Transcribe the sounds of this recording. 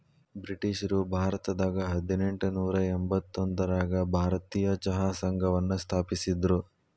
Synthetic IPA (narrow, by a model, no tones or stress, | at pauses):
bɾiʈiʃɐɾubʱaːɾɐt̪ɐd̪aːɡɐɦɐd̪ine̞ɳʈunuːɾɐembɐt̪ːond̪ɐɾaːɡɐbʱaːɾɐt̪iːjɐt͡ʃɐɦaːsɐŋɡʱɐʋɐnːust̪ʰaːpisid̪ɾu